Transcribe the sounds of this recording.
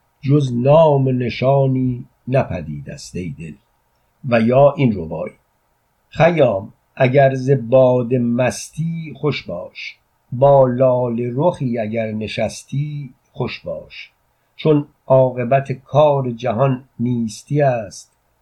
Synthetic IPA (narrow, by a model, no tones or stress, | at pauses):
d͡ʒoznɒːmene̞ʃɒːniː | næpʰæd̪iːd̪æ̰st̪ejd̪el | væjɒːʔinɾobɒ̰ːj | χæjɒːm | ʔæɟæɾze̞bɒːd̪emæst̪ʰiːχo̞ʃbɒːʃ | bɒːlɒːleɾoxiːæɟæɾne̞ʃæst̪ʰiː | χo̞ʃbɒ̰ːʃ | t͡ʃʰo̞n | ʔɒːɣe̞bæt̪ʰekʰɒːɾed͡ʒæɦɒnːiːst̪ʰiæst̪